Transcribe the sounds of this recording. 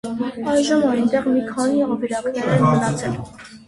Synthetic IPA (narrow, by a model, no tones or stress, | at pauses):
ɑjʒəmɑjnt̪ɛʁmikʰɑniɑviɾɑʁinɛɾɛnmənɑt͡sʰɛl